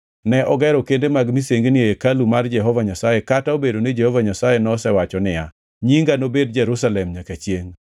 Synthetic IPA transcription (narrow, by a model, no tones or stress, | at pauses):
nɛʔɔɡɛɾɔkendemaɡmiseŋɡnɪekalumard͡ʒɛɦɔvaɲasajekataobedonɪd͡ʒɛhɔvaɲasajenɔsɛwat͡ʃɔnɪja | ɲiŋɡanobedd͡ʒɛɾusalɛmɲakat͡ʃjeŋ